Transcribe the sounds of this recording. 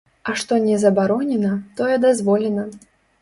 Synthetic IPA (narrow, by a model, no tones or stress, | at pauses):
ɐʂt̪ɔnʲɛzɐbaɾɔnʲɛnɐt̪ɔjɛd̪azvɔlʲɛnɐ